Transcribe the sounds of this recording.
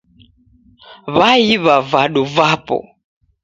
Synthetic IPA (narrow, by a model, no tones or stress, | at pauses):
βaiβavaɗuvapɔ̰